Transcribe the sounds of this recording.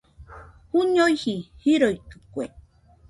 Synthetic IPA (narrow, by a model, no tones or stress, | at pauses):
huɲojhihiɾojkɨkʷe